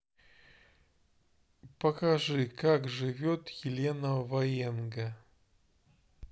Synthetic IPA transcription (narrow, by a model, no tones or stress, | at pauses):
pəkɐʐɨkakʐɨvʲot̪jɪlʲenəvɐenɡə